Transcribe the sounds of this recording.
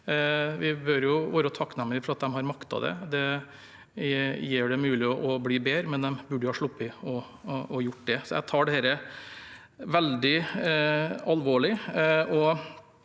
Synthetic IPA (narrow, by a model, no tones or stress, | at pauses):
ʋɪbœɾjʊʋoːɾɔt̪ʰɑkːnæmːələfɔɾɑt̪̚d̪ɛmɦɑɾmɑkt̪ɑ̰d̪ɛ̰d̪ɛ | jeːɖɛmʉːlɪɔʔɔbliːbeːɾəmɛnd̪ɛmbʉɖjʊhɑːʂɭʊpːɪɔ | ɔjʊʈ̚ːd̪ɛsɔjæ̰t̪ʰɑːɖɛhɛːɾə | ʋɛld̪ɪ | ɑlʋoːɭɪɔ